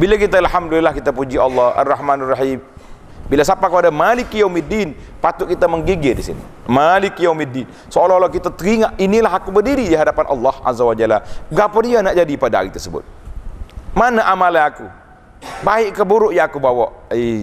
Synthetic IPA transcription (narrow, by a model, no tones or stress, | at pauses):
bilakit̪aalɦamdulilahkit̪apud͡ʒiɑlːɑha̰rːɑɦmanarːɑħim | bilasapakəpadamalɪkijaumidin | pat̪ʊʔkit̪aməŋɡiɡɛdisḭnḭ | malikijaumidːin | soolalakit̪at̪əɾiŋaʔinilaɦakubərdiɾidiɦadapanʔɑ̰lːɑhʔa̰zawad͡ʒalaɡapɔdianaʔd͡ʒadipadaa̰ɾit̪ərsəbʊ̰t̪̚ | manaʔamalaaku | baɪʔkəbuɾʊʔjaːkubawɔʔi